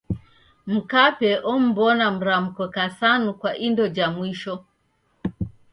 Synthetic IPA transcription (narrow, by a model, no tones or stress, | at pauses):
m̩kapɛʔɔm̩bɔnam̩ɾam̩kɔkasanukwaʔindɔd͡ʒamwiʃɔ